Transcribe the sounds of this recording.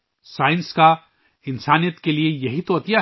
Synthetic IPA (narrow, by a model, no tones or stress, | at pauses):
saːɪ̃nska | ɪnsaːnijət̪keliejɐɦit̪oɐt̪ija